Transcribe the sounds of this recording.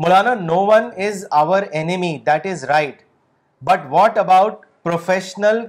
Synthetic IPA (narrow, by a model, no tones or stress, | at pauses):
mʊlaːnanoːʋɐ̃nɪzaʋəɾenɪmid̪æʈɪzɾaɪʈ | bʌʈʋɔːʈəbaʊʈ̚ | pɾofeʃənəl